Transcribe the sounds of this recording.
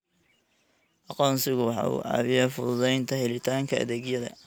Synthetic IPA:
ʔɑqɔːnsɪɣʊwɑħɑ̰ːṵːʔɑ̰ːβɪjɐfʊðʊðɛjnt̪ʰɐɦɛlɪt̪ʰaːŋkʰɐɐ̰ðeːɡjɐðɐ̰

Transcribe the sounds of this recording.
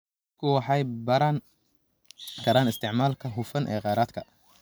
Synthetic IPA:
kʰʊwɑħɑjbɐɾan | kʰɐɾaːnɪst̪ʰɪʕmaːlkʰɐɦʊfɐnʔɛːqɑːɾaːd̪kʰɐ

